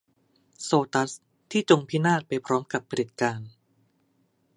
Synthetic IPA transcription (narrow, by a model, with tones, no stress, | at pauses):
soː˧t̪a˦˥s | t̪ʰiː˥˩t͡ɕo˧ŋpʰiː˦˥naː˥˩t̪̚pa˧jpʰɾɔː˦˥mka˨˩pʰːa˧ɾi˨˩t̪̚kaː˧n